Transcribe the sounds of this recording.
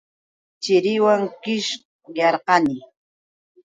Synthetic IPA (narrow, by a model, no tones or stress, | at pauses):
t͡ʃɪɾɪwaŋkɪʃ | jɑɾqɑnɪ